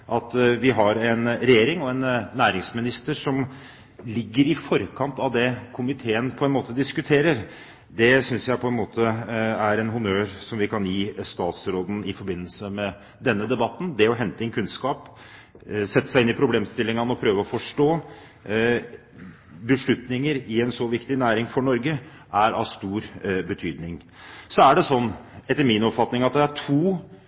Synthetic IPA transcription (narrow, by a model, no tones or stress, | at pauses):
ʔɑt̪ʋɪɦɑɾɛnɾɛjeːɾɪŋɔɛnnːæːɾɪŋsmɪnɪst̪əʂɔm | lɪɡːəɾɪfɔɾkʰɑnt̪ɑʋd̪ɛkʰʊmɪt̪ʰeːənpʰɔɛnmoːt̪əd̪ɪskʉt̪ʰeːɾəɾ | d̪ɛsʏnsjæɪpʰɔɛnmoːt̪ʰəæɾɛnɦʊnøːɾsɔmʋɪkʰɑnjiːst̪ɑːt̪sɾoːd̪n̩ɪfɔɾbɪnːəlsəmɛ | d̪ɛnːəd̪ɛbɑt̪ːn̩d̪ɛɔɦɛnt̪əɛnkʰʉnskɑːp | sɛt̪ːə̥sæɪɪnːɪpʰɾʊbleːmst̪ɪlːɪŋɑnəɔpʰɾøːʋəɔfɔʂʈoː | bəʂɭʉt̪nɪŋəɾɪɛnsɔʋɪkt̪ɪnæːɾɪŋfɔɳɔɾɡə | ʔæɾɑ̰ʋst̪uːɾbət̪ʰyːd̪nɪŋ | sɔæɖɛsɔnːɛt̪ːəɾminɔpfɑt̪nɪŋɑt̪̚d̪ɛæʈʰuː